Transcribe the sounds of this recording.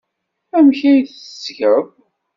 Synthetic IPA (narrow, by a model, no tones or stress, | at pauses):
æmçæjθəsʝəɾəv